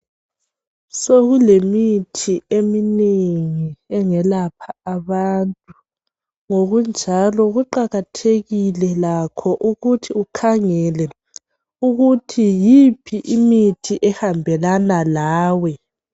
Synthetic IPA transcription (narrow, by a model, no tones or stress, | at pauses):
soɣulemitʰiemineŋiɛŋɛlapʰaaβantʼu | ŋoɣund͡ʒʱalɔɣuǃaɣatʰeɣilɛlakʰɔʔuɣutʰiukʰaŋɛlɛ | uɣutʰijipʰiʔimitʰiʔɛhambʱɛlanalaːwɛ